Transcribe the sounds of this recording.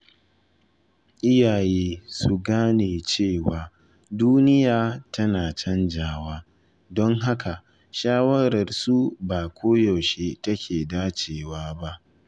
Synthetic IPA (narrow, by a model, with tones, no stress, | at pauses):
ʔɪ˦jaː˨jeː˦su˨ɡaː˦neː˨t͡ʃeː˦˨waː˨ | duː˦nɪ˦jaː˨tʰɐ˦naː˨t͡ʃɐ˦nd͡ʒaː˦waː˦ | dɔ˦ŋɦa˦kʰa˨ʔ | ʃaː˦wɐ˦ɾɐ˨rsu˦baː˨kʷoː˦jɔ˨ʃe˦tɐ˦kʲʰeː˨daː˦t͡ʃeː˨waː˦ba˦ʔ